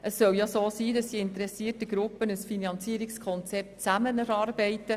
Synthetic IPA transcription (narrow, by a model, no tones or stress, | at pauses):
ʔəsːœljasoːsiːdɑsdiɪntɾɛsiətəɡ̥ɾʊpːənəsfinɑnt͡siːəɾikskʰɔnt͡sɛp̚tt͡sæmənæɾɑːrbɛɪtə